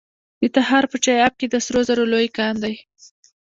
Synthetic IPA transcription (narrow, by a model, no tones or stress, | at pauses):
d̪̥ət̪aɦɑɾpət͡ʃɑjɑb̚ked̪əsɾozaɾolojkɑnd̪aj